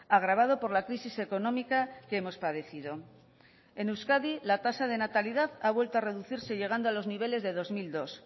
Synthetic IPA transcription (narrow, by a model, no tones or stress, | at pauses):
aɣ̞ɾaβ̞að̞o̞po̞ɾlakɾisise̞ko̞nõ̞mikakemo̞spað̞e̞θið̞o̞ | enewskaðilat̪asað̞e̞nat̪aliðaðaβwe̞lt̪oare̞ðuθiɾse̞ʝe̞ɣand̪oalo̞zniβ̞e̞le̞zðe̞ðo̞zmild̪o̞s